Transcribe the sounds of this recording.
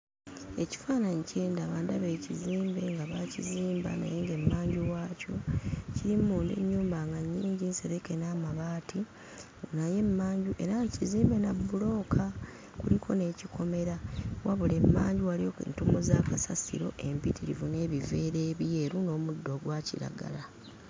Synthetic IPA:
e̞ci̥faːnaɲicʰe̞ːndaβaːndaβe̞ːciziːmbe̞ŋɡaβaciziːmba̰na̰jeŋɡe̞mːaːɲɟuwaːco̞ciɾimuːndḛɲːuːmbaŋɡaɲːiːɲɟinse̞ɾeke̞namaβaːtʰi | naje̞mːaːɲɟuʔe̞̰ɾaciziːmbe̞nabːulo̞ːkʰa | kulikʰo̞ne̞cikʰo̞me̞ɾawʔaβule̞mːa̰ːɲɟiwalijoḛntumuzaːkasasḭɾo̞̰ʔe̞mpitʰiɾḭvune̞ːβive̞ːɾe̞ːβje̞ːɾuno̞ːmudːo̞ɡwaːciɾa̰ɡa̰la

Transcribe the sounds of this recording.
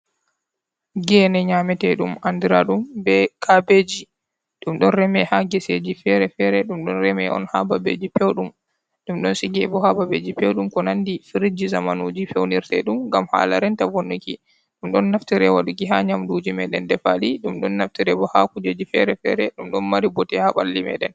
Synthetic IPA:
ɡɛnɛɲamɛtɛɗumʔandiɾaɗumbɛkʰabed͡ʒi | ɗumɗɔnɾɛmɛhaɡɛsed͡ʒifɛɾɛfɛɾɛɗumɗɔnɾɛmɛ̰ʔɔ̰nha̰babḛːd͡ʒipewɗum | ɗumɗɔnsiɡɛbɔhababed͡ʒipewɗumkɔnandifiɾid͡ʒizamanud͡ʒifɛwniɾtɛ̰ɗumŋɡamha̰la̰ɾɛntavonːuki | ɗumɗɔnːaftiɾɛwaɗuɡiɦaɲamdud͡ʒimɛɗɛndɛfaliɗumɗɔnːaftiɾɛbɔhakud͡ʒed͡ʒifɛɾɛfɛ̰ɾɛɗumɗɔnmaɾibɔtɛhaɓa̰lːimɛ̰ɗɛ̰n

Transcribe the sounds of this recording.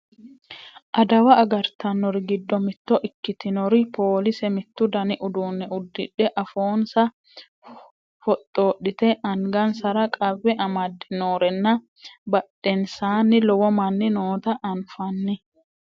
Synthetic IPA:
ʔɐd̪ɐwɐːɡɐɾt̪ɐnːɔɾɪɡɪd̪ːɔmɪt̪ːɔʔɪkːɪt̪ɪnɔɾɪpoːlɪsɛmɪt̪ːʊd̪ɐnɪʔʊd̪uːnːɛʊd̪ːɪᶑːɛʔɐfo̞ːnsɐ | fɔt̪ʼːoːɗɪt̪ɛʔɐŋɡɐnsɐɾɐkʼɐβːɛʔɐmɐd̪ːɪnoːɾɛnːɐ | bɐɗːɛnsaːnːɪlɔwɔmɐnːɪnoːt̪ɐʔɐnfɐnːɪ

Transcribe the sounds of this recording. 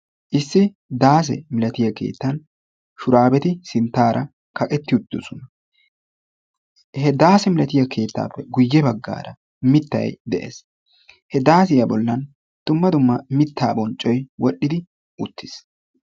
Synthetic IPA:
ʔɪsːɪ | d̪aːs̬ɛ̰mɪlɐt̪ɪjɐke̞̰ːt̪ːɐn | ʃʊɾaːbɛt̪ɪsɪnt̪ːaːɾɐ | kɐkʼɛt̪ːɪʊt̪ːɪɔsʊnɐ | hɛd̪aːsɛmɪlɐt̪ɪjɐkʰe̞ːt̪ːa̰ːpːɛɡʊjːɛbɐɡːa̰ːɾɐ | mɪt̪ːɐ̰jd̪ɛʔḛːs | hɛd̪aːs̬ɪjɐbɔlːɐn | d̪̥ʊmːɐd̪ʊmːɐmɪt̪ːaːbɔnt͡ʃʼːɔjwɔɗːɪd̪ɪ | ʔʊt̪ːɪs

